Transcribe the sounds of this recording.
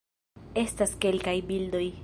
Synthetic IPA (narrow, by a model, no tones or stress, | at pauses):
e̞staske̞lkajbildo̞j